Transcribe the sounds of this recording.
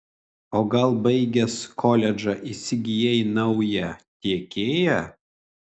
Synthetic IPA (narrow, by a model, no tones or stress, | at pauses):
oːɡɐlˠbɐɪɡʲɛskʰɔlʲɛd͡ʒɐʔisʲɪɡʲɪjɛjnɐʊjɛt̪ʲiɛkʲeːjɛ